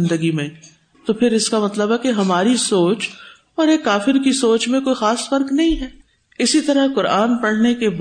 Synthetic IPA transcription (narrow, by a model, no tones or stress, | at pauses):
nd̪əɡimẽ | t̪opʰɪɾɪskamɐt̪ləbɦɛkeɦɐmaːɾisoːt͡ʃ | ɔːɾeːkːaːfɪɾkisoːt͡ʃmẽkoːixaːsfɐɾknɐɦĩɦɛː | ɪsit̪ɐɾaɦkʊɾaːnpɐɽ̤nekeb